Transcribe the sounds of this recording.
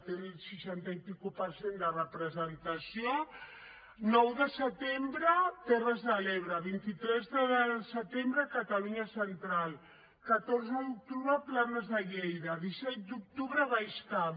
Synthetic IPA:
t̪ensiʃant̪aipikupəɾsend̪ərəpɾəzənt̪asio | nɔwðəsət̪embɾət̪ɛrəzðalɛβɾəβint̪it̪ɾɛzðəsət̪embɾəkat̪aluɲasənt̪ɾalˠ | kat̪oɾzəðuk̚t̪uβɾəplanəzðəʎejðəðisɛt̪̚d̪uk̚t̪uβɾəβajska

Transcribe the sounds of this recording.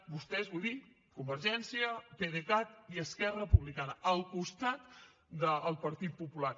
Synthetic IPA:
bust̪ɛzβujði | kumbəɾʒɛnsiəpeðekat̪iəskɛrəəpuβlikanəəlˠkust̪at̪ | d̪əːlˠpəɾt̪it̪̚pupulaɾ

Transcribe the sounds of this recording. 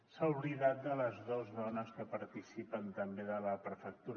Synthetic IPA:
sauβliðat̪̚d̪ələzðozðɔnəskəpəɾt̪isipənt̪əmbeðələpɾəfək̚t̪uɾ

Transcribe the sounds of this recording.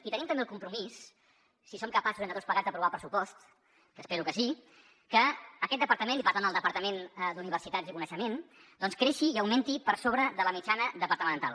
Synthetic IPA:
it̪ənimt̪əmbelˠkumpɾumisː | isomkəpasuzenət̪ospləɣadd͡zd̪əpɾuβalˠpɾəsupɔst̪ | kəspeɾukəsi | kəːkɛt̪̚d̪əpəɾt̪əmenipəɾt̪anəlˠd̪əpəɾt̪əmend̪uniβ̞əɾsit̪azikunəʃəmen | d̪ɔnskɾeʃiːəwment̪ipəɾsoβɾəðələmit͡ʃanəðəpəɾt̪əmə̃nt̪alˠ

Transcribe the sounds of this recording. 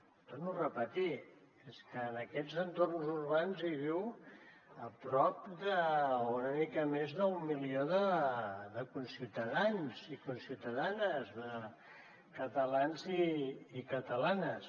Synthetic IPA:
t̪ornurəpət̪i | eskəːnəkɛzənt̪ornzurβanziβ̞iw | əpɾɔp̚d̪əunəmikəmezðəummːilioðəðəkunsiwt̪əðanzikunsiuwt̪əðanəzðə | kət̪əlanziːkət̪əlanəs

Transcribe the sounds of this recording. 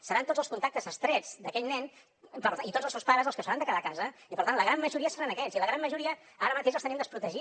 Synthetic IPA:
səɾant̪od͡zzəlskunt̪ak̚t̪əzəst̪ɾɛd͡zd̪əkɛʎnɛn | pəɾait̪od͡zzəlˠsewspaɾəzəlˠskəsfəɾand̪əkaðakazəipəɾt̪anləɣɾammːəʒuɾiəsəɾanəkɛziləɣɾamːəʒuɾiə | aɾəmət̪eʃ̬əlˠt̪ənimd̪əspɾut̪əʒi

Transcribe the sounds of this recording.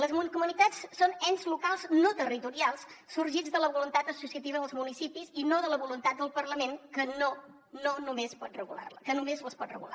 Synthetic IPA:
ləzmunkumunit̪at͡ssonɛnzlukalˠznot̪ərit̪uɾialˠssuɾʒid͡zðələβulunt̪at̪əsusiət̪iβəðəlˠzmunisipizinoðələβulunt̪at̪̚d̪əlˠpərləmenkəno | nonumespɔt̪̚rəɣṵla̰rləkənumezləspɔt̪rə̰ɣṵla̰

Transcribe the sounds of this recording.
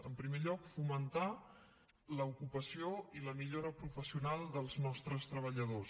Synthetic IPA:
əmpɾimeʎɔkfumənt̪a | ləukupəsioiləmiʎoɾəpɾufəsiunalˠd̪əlˠznɔst̪ɾəst̪ɾəβ̞əʎəðos

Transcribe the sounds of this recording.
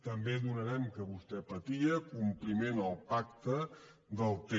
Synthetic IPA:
t̪əmbeðunəɾɛmkəβust̪ɛpət̪iəkumplimenəlˠpakt̪ə | d̪əlˠt̪e

